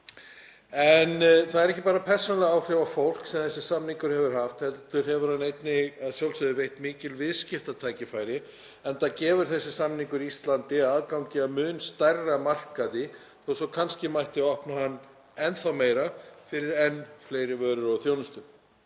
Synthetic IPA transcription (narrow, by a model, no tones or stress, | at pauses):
ɛnθaðɛɾɛhcːɪ̥paːɾapʰɛr̥sɔnalɛɣaːwkrɛvafowl̥ksɛmθɛsːɪ̥samniŋkʏɾ̥hɛvʏɾ̥ɦaft̪hɛlt̪ʏɾ̥hɛvʏɾ̥hanːejt̪nɪaðsjawlsɛðʏvejht̪miːcɪlvɪðscɪft̪at̪ʰaːjcɪfaːjɾɪ | ɛnt̪acɛːvʏɾ̥θɛsːɪ̥samniŋkʏɾiist̪lant̪ɪaːðkawɲcɪamʏːnst̪arːamar̥kaðɪ | θowsɔkʰanscɪmajht̪ɪɔhpnahanː | ɛnθawmeːjɾafɪɾɪɾɛnːfleːjɾɪvœːɾʏɾɔɣθjownʏst̪ʏ